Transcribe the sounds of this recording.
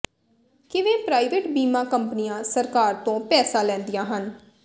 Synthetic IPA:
kɪʋẽːpɾaːiʋeːʈbiːmãːkəmpənijãːsəɾkaːɾt̪õːpɛːsaːlɛ̃ːnd̪ijãːɦən

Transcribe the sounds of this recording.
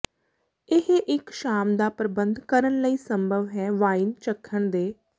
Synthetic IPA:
ɪɦeʔɪkʃaːmd̪aːpɾəbənd̪kəɾənləiːsəmbʱəʋɦɛːʋaːint͡ʃəkʰːəɳd̪eː

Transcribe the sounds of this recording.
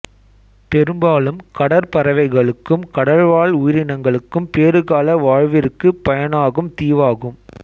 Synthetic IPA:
pɛɾɯmbaːlɯmkɐɽɐɾpɐɾɐʋɐɪɣɐɭɯkːɯmkɐɽɐɻʋaːɭʊjɪɾɪnɐŋɡɐɭɯkːɯmpeːɾɯɣaːlɐʋaːɻʋɪɾɯkːɯpɐjɐnaːɣɯmt̪iːʋaːɣɯm

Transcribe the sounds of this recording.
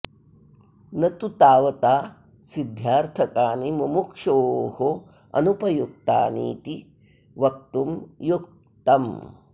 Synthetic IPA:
nɐt̪ut̪aːʋɐt̪aː | sid̪ʱjaːɾt̪ʰɐkaːnimɐmukʂoːho | ɐ̰nupɐjuk̚t̪a̰ːnḭːt̪i | ʋɐk̚t̪umjuk̚ | t̪ɐm

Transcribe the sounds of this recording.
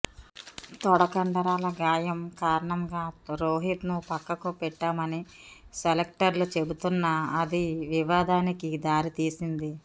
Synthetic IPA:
t̪ɔɽɐkɐɳɖɐɾaːlɐɡaːjɐmkaːɾɐɳɐmɡaːɾoːɦit̪nupɐkːɐkupɛʈːaːmɐniselek̚ʈɐɾlut͡ʃe̞but̪unːɐːd̪iʋiʋaːd̪aːnikid̪aːɾit̪iːsind̪i

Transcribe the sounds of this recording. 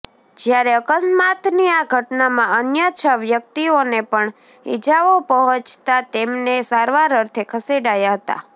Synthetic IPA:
d͡ʒjaɾeəkəsmat̪niaɡʱəʈnamãənjət͡ʃʰəʋjək̚t̪ionepəɳ | ḭd͡ʒaʋopəɦɔ̃t͡ʃt̪at̪emnesaɾʋaɾəɾt̪ʰekʰəseɽajaɦət̪a̰

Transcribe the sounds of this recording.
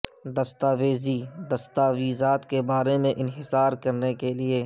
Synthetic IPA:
d̪ɐst̪aːʋeːzid̪ɐst̪aːʋiːzaːt̪kebaːɾemẽʔɪnɦɪsaːɾkɐɾnekelieː

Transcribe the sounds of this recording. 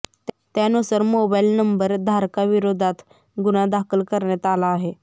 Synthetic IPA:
t̪eənoːsəɾmoːbaːɪlnəmbəɾd̪ʱaːɾkaʋɪɾoːd̪ʱat̪ʰ | ɡʊnãd̪aːkʰəlkəɾnet̪aːlaɦeː

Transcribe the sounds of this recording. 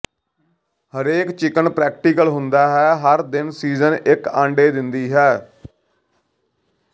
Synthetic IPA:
həɾeːkt͡ʃɪkənpɾɛːk̚ʈiːkəlɦʊnd̪aːɦɛːɦəɾd̪ɪnsiːzənʔɪkãːɳɖeːd̪ɪnd̪iːɦɛː

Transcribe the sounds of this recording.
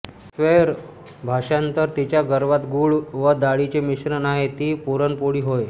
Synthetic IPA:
sʋeɾ | bʱaʂant̪əɾt̪it͡ɕjaɡəɾʋat̪ɡuːɭʋəd̪aɭit͡ɕemiɕnənaɦet̪iːpuɾənpoɽiːɦoj

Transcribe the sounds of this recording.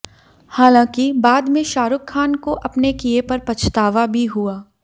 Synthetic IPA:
haːlãːkibaːd̪mẽʃaːɾʊkʰːaːnkoʔɐpnekijepɐɾpɐt͡ʃʰt̪aːʋabʱiɦuaː

